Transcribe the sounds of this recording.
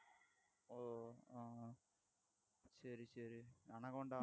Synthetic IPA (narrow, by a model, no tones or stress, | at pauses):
o | sɐɾisɐɾiɐnɐkoɳɖaː